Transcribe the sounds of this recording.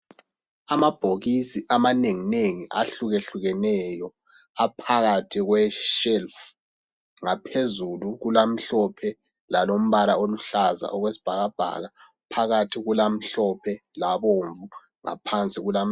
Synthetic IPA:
amab̥ʱoɣisiʔamaneŋineŋiʔaɬuɣeɬuɣɛnɛjɔ | apʰaɣatʰiɣwɛʃɛlf | ŋapʰezuluɣulam̩ɬɔpʰɛ | lalom̩βalaoluɬaza̰ʔɔɣwesi̥b̥ʱaɣab̥ʱa̰ɣa | pʰaɣatʰiɣulam̩ɬɔpʰɛlaβoɱvu | ŋa̰pʰant͡sʼiɣulam̩

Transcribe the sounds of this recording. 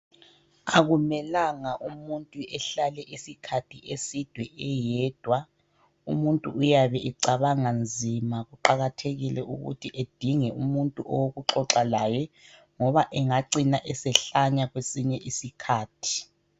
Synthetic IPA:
aɣumɛlaŋaʔumuntʼuʔɛɬalɛʔisikʰatʰiʔesid̥ʱwɛʔɛjɛːd̥ʱwa | umuntʼuːjaβɛʔiǀaβaŋand͡zʱimaɣuǃaɣatʰeɣilɛʔṵɣṵtʰiʔed̥ʱiŋɛṵmuntʼṵʔɔ̰woɣuǁɔǁalajɛ | ŋɔβaʔɛŋaǀinaʔɛsɛɬaɲaɣwesiɲɛʔisikʰaːtʰi̥

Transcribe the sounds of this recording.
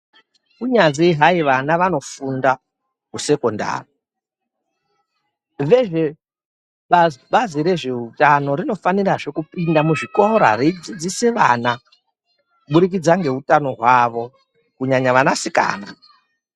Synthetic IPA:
kuɲanziɦaiʋanaʋano̞funda | kuse̞konda̰ːri | ʋeʐe̞ | ɓaɓaziɾe̞ʐe̞utano̞ɾino̞faniraʐe̞kupindamuʐikoɾa̰rid͡zid͡ziseʋana | kuɓuɾik̬id͡zaŋɡe̞ɦutano̞ɦwaʋo̞ | kuɲaɲaʋanasika̰ːna̰

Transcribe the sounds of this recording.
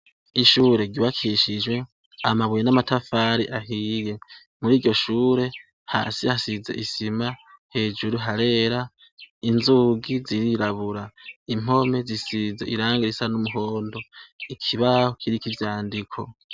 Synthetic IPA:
iʃuːɾeɟiβakʰiʃid͡ʒwe̞ | amaβwjenamatafaɾiʔaɦije̞ | muɾiːɾɟo̞ʃuːɾe̞ | ha̰ːsihasize̞̰ʔisimahe̞ːd͡ʒuɾuɦaɾe̞ːɾa | inzuɡiziɾiɾaβuɾaim̥o̞me̞zisize̞̰ʔiɾaːŋɡeɾisanumuɦo̞ːndo̞ikʰiβahokʰiɾikivjaːndikʰo̞̰

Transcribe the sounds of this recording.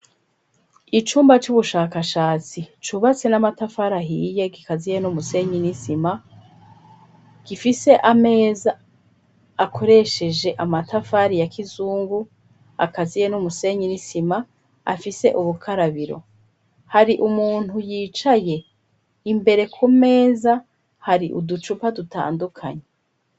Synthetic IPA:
it͡ʃuːmbat͡ʃuβuʃaːkaʃaːt͡sit͡ʃuβat͡se̞namatafaːɾaɦiːje̞ɡikazijenumuse̞ɲinisima | ɡ̥ifise̞ʔame̞ːzaː | kʰo̞ɾe̞ʃe̞d͡ʒe̞ʔamatafaːɾijakʰizuːŋɡu | a̰kazijenumuse̞ɲinisima | a̰fise̞̰ʔuβukʰaɾaβiɾo̞̰ | haɾiʔumuːn̥hujiːt͡ʃaje̞ | imbe̞ɾe̞kʰume̞ːza | haɾiʔṵdut͡ʃupaduta̰ːndukʰa̰ɲe

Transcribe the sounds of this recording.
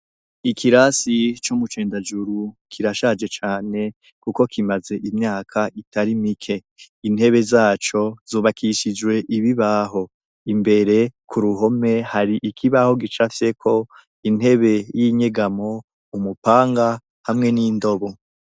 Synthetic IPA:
ikʰiɾasit͡ʃomut͡ʃe̞ːndad͡ʒuɾukʰiɾaʃad͡ʒe̞t͡ʃaːne̞ | kuko̞kimaze̞ʔimɲaːkʰaʔitaɾimikʰe̞ | in̥he̞βe̞zaːt͡ʃo̞z̥oːβakʰiʃid͡ʒwe̞ʔiβiβaɦo̞ | imbe̞ɾe̞kʰuɾuɦo̞me̞haɾiʔikʰiβaho̞ɡit͡ʃafje̞kʰo̞ | in̥he̞βe̞jiɲe̞ɡamo̞ | umupaːŋɡa | hamŋe̞niːndo̞βo̞

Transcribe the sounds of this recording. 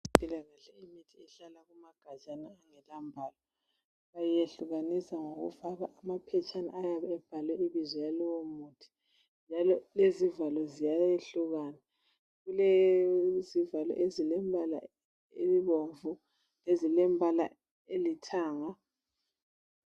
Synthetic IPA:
pʼilaɣaɬɛimitʰiɛɬalaɣumaɡ̥ʱḁʒ̥ʱanaːŋɛlambʱaːlɔ | ɣajeɬuɣanisaŋoɣṵvaβaʔamapʰɛt͡ʃʼana̰ʔajaβɛɛb̥ʱalwɛiβizɔjaliwomuːtʰi̥ | nd͡ʒʱalɔlezivalɔzijaeɬuɣaːna | ɣule | zivalɔ̰ʔezilɛmbʱala̰ | ḛβiβoɱvu | lezilɛmbʱala̰ | elitʰaːŋa

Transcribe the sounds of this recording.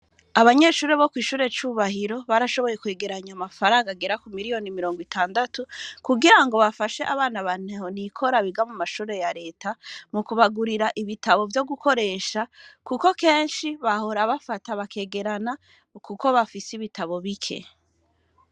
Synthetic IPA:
aβaɲe̞ːʃuːɾe̞βo̞kwiːʃuːɾe̞t͡ʃuuβahiɾo̞βaɾaʃo̞βo̞je̞kwe̞ːɡe̞ɾaɲamafaɾaːŋɡaɡeɾakumiɾijo̞nimiɾo̞ːŋɡwitʰaːndatukuɡiɾaŋɡo̞βafaʃe̞ʔaβaːnaβanehonikʰo̞ɾaβiɡamumaʃuːɾe̞jaɾe̞ːtʰamukuβaɡuɾiɾaʔiβitaβo̞vjo̞ɡukʰo̞ɾe̞ːʃakuko̞ke̞ːnʃiβaho̞ɾaβafataβakʰe̞ːɡe̞ɾana | kuko̞βafisiβitaβo̞βikʰe̞̰

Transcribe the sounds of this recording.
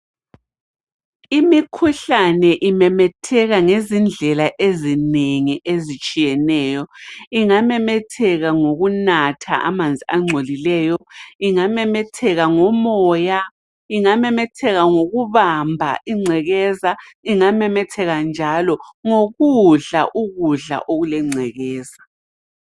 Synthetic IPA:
imikʰuɬanɛʔimɛmɛtʰɛɣaŋezind͡ɮʱɛlaʔezineŋiʔezit͡ʃʼijɛnɛːjɔiŋamɛmɛtʰɛɣaŋoɣunatʰa̰ʔa̰mand͡zʱiaŋ͡ǀʱolilɛːjɔiŋamɛmɛtʰɛɣaŋɔmɔːja | iŋamɛmɛtʰɛɣaŋoɣuβambʱa̰ʔiŋ͡ǀʱɛɣɛːzaiŋamɛmɛtʰɛɣand͡ʒʱalɔŋoɣuɮa̰ʔuɣuɮa̰ʔoɣulɛŋ͡ǀʱɛɣɛːza

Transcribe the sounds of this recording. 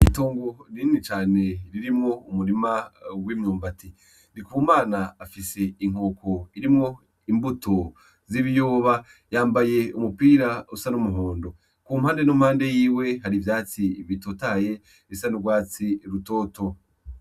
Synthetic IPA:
ito̞ːŋɡo̞ɾinit͡ʃaːne̞ɾiɾimŋo̞umuɾimawiːmɲuːmbatʰi | nikumaːnaːfise̞iŋ̥o̞ːko̞iɾimŋo̞ | imbutʰo | ziβijoːβa | jaːmbaje̞umupiːɾausanumuɦoːndo̞ | kumhaːnde̞numhaːnde̞jiːwe̞haɾivjaːt͡siβitotaje̞ | esanuɡwaːt͡siɾuto̞ːto

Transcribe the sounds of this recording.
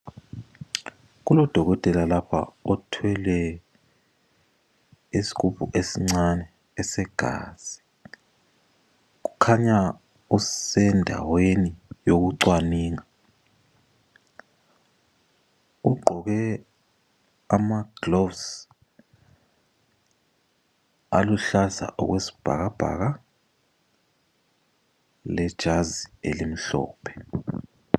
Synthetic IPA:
k̬ulɔd̥ʱɔk̬ɔtʼɛlalapʰa̰ɔtʰwɛlɛ | isi̥kʰub̥ʱuʔesiŋ͡ǀanɛː | sɛɡ̥ʱa̰ːz̥i̥ | k̬u̥kʰaɲa | usɛndʱa̰wenijok̬uǀwaniːŋa | uɡ͡ǃʱɔk̬ɛ | amaɡ̥lovs | a̰luɬaza̰ʔɔ̰ɣ̬wesi̥b̥ʱa̰k̬ab̥ʱa̰ːk̬a | lɛd̥ʒ̥ʱazielim̩ɬɔ̰ːpʰɛ̥

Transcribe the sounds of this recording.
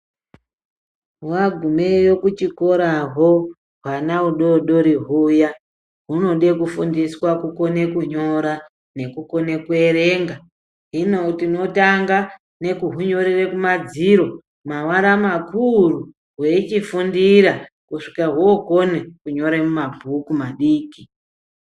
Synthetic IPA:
waɡʱumejo̞kut͡ʃiko̞ɾaɦo | ɦwanauɗo̞ɗo̞ɾiɦuja | ɦuno̞ɗe̞kufundiswakuko̞ne̞kuɲo̞ɾa | ne̞kuko̞nekueɾe̞ŋɡa | ɦinotino̞taŋɡa | ne̞kuɦuɲo̞ɾerekumad͡ziɾo̞ | mawaɾamakuru | ɦweit͡ʃifundiɾa | kuʂikaɦuoko̞nekuɲo̞ɾemumabʱukumaɗiːki

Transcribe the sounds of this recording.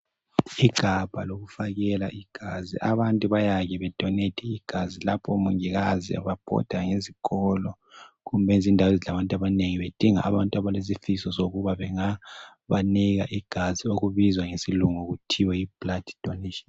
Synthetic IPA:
iɡ̥ʱab̥ʱaloɣufaɣɛlaʔiɡ̥ʱazḭʔaβantʼuβajaɣɛβɛd̥ʱɔnetʰɛiɡ̥ʱazilapʰɔmuŋiɣazḭa̰βab̥ʱɔ̰d̥ʱaŋeziɣɔlɔ | ɣumbʱɛnzindʱawezilaβantʼaβaneŋiβed̥ʱiŋa̰ʔːβantʼuaβalez̬ifisɔzoɣuβaβɛŋa | βaniɣa̰ʔiɡ̥ʱazioɣuβizwaŋesiluŋoɣutʰiwɛib̥ladi̥d̥ʱɔneʃi̥n

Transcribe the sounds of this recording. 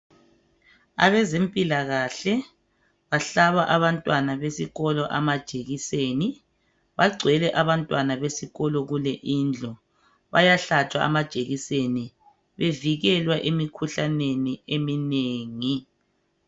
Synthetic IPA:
a̰βɛzempʼilaɣaɬɛ | βaɬaβaʔaβantʼwanaβesiɣɔlɔʔamad̥ʒ̥ʱʼeɣiseːni | βaɡ͡ǀʱwɛlɛʔaβantʼwanaβesiɣɔlɔɣulɛʔind͡ɮʱɔ | βajaɬat͡ʃʼwa̰ʔa̰mad̥ʒ̥ʱeɣiseni | βeviɣɛlwaʔemikʰuɬaneniemineːŋi

